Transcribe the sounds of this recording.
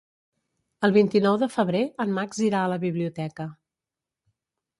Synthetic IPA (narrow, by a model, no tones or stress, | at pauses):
əlˠβint̪inɔwðəfəβɾeəmːakziɾaələβiβliut̪ɛkə